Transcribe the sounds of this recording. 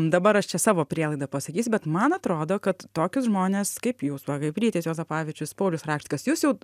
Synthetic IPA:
d̪ɐbɐɾɐʃt͡ʃʲɛsɑːʋoːpʲɾʲiɛlˠɐɪd̪ɐpɐsɐkʲiːsʲʊbʲɛt̪mɐnɐt̪ɾoːd̪oːkɐt̪t̪oːkʲʊsʒmoːnʲeːskɐɪpjuːsʋɐkɐɪpʲɾʲiːt̪ʲɛsjoːzɐpɑːʋʲɪt͡ʃʲʊspoʊlʲʊsɾɑːkʃʲtʲɪkɐsjuːsjɛʊ

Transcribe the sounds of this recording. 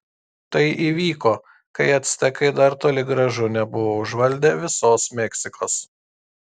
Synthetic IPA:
t̪ɐɪʔiːʋʲiːkoː | kɐɪɐt̪ʲsʲt̪ʲɛkɐɪd̪ɐɾt̪oːlʲɪɡɾɐʒʊnʲɛbʊʋoːʊʒʋɐlʲd̪ʲɛʋʲɪsoːsmʲɛksʲɪkoːs

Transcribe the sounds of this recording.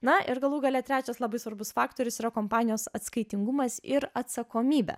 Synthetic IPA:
nɐʔɪɾɡɐlˠuːɡɐlʲɛt̪ʲɾʲæːt͡ʃʲɛslˠɐbɐɪsʋɐɾbʊsfɑːkt̪oːɾʲʊsiːɾɐkoːmpɑːnʲɪjoːsɐt̪skɐɪt̪ʲɪŋɡʊmɐsɪɾɐt̪sɐkoːmʲiːbʲɛ̰

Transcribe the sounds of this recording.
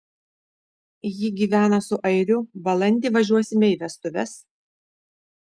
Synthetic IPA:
jiɡʲiːʋʲæːnɐsʊʔɐɪɾʲʊʋɐlˠɐnʲd̪ʲɪːˑʋɐʒʲuɔsʲɪmʲɛɪʋʲɛst̪ʊʋʲɛs

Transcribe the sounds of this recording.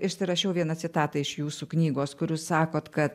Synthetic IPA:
ɪʃʲsʲɪɾɐʃʲɛʊʋʲiɛnɐt͡s̪ʲɪt̪ɑːt̪ɐɪʃjuːsuːknʲiːɡoːskʊɾʲuːssɑːkoːt̪kɐt̪

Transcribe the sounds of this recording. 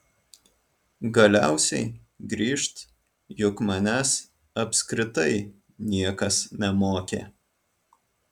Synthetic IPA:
ɡɐlʲæˑʊsʲɛɪ | ɡɾʲiːʃt̪ | jʊkmɐnʲæs | ɐpʲskɾʲɪt̪ɐɪ | nʲiɛkɐsnʲɛmoːkʲḛː

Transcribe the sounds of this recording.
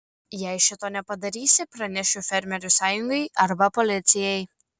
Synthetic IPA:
jɛɪʃʲɪt̪oːnʲɛpɐd̪ɐɾʲiːsʲɪpɾɐnʲɛʃʲʊfʲɛɾʲmʲɛɾʲʊsɑːjʊŋɡɐɪʔɐɾbɐpɔlʲɪt̪sʲɪjɛɪ

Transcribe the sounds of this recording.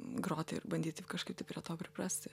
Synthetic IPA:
ɡɾoːt̪ʲɪɪrbɐnʲd̪ʲiːt̪ʲɪkɐʃkɐɪpt̪ʲɐɪpɾʲiɛt̪oːpʲɾʲɪpɾɑsʲt̪ʲɪ

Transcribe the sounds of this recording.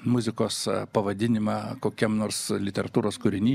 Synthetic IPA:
mʊzʲɪkoːspɐʋɐd̪ʲɪnʲɪmɑːkoːkʲɛmnoːrslʲɪt̪ʲɛɾɐt̪uːɾoːskʊɾʲɪnʲiː

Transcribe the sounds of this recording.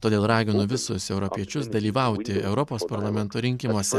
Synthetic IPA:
t̪oːd̪ʲeːlˠɾɑːɡʲɪnʊʋʲɪsʊsɛʊɾɔpʲiɛt͡ʃʲʊsd̪ɐlʲiːʋɐˑʊt̪ʲɪɛʊɾɔpoːspɐɾlˠɐmʲɛnt̪oːɾʲɪŋʲkʲɪmuɔsʲɛ

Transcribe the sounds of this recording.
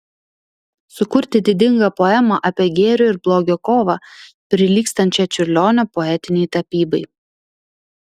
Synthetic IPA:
sʊkʊɾʲt̪ʲɪd̪ʲɪd̪ʲɪŋɡɐpoːɛmɐʔɑpʲeɛɡʲeːɾʲoːɪɾblˠoːɡʲoːkoːʋɑpʲɾʲɪlʲiːkst̪ɐnʲt͡ʃʲɛt͡ʃʲʊɾʲlʲoːnʲopɔɛt̪ʲɪnʲɛɪt̪ɐpʲiːbɐɪ

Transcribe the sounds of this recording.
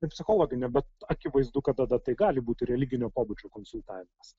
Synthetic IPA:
ɐɪpʲsʲɪxoːlˠoːɡʲɪnʲɛbʲɛt̪ɐkʲɪʋɐɪzd̪ukɐt̪d̪ɐd̪ɐt̪ɐɪɡɑːlʲɪbuːt̪ʲɪɾʲɛlʲɪɡʲɪnʲoːpoːbud͡ʒʲoːkoːnsʊlʲˠt̪ɑːʋʲɪmɐs

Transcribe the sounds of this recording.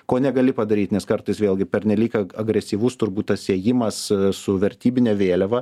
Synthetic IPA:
koːnʲɛɡɐlʲɪpɐd̪ɐɾʲiːt̪nʲɛskɐɾt̪ɨɪsʋʲeːlˠɡʲɪpʲɛɾʲnʲɛlʲiːkɐɐɡɾʲɛsʲiːʋʊst̪ʊrbuːt̪t̪ɐsiɛjɪmɐssʊʋʲɛɾʲt̪ʲiːbʲɪnʲɛːʋʲeːlʲɛʋɐ

